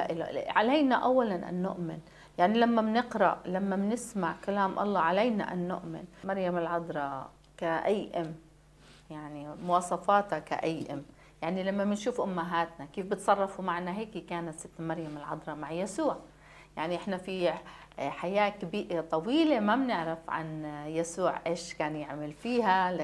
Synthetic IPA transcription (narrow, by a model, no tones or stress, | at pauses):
aʔɪlʕalajnaʔawːalanʔa̰nːʊ̰ʔmɪn | jaʕnilamːabnɪqɾa̰ʔlamːamnɪsmaʕkalaːmʔɑ̰lˤːɑːʕalajna̰ʔa̰nːʊ̰ʔmɪ̰nmaɾjamɪlʕɑd̪ˤɾˤɑ | kaʔajʔɪm | jaʕnimʊwɑːsˤɑfɑːt̪aka̰ʔajʔɪ̰m | jaʕnilamːabɪnʃuːfʔʊmːaɦaːt̪nakeːfbɪt̪sˤɑrˤːɑfumaʕnaɦeːkikaːnat̪sɪt̪ːmaɾˤjamɪlʕɑ̰d̪ˤɾˤɑmaʕjasuːʕ | jaʕniʔɪħnafi | ħajaːkabiːʔat̪ˤɑwiːlemabnɪʕɾɪfʕa̰njasuːʕʔeːʃkaːnjɪʕmalfiːhal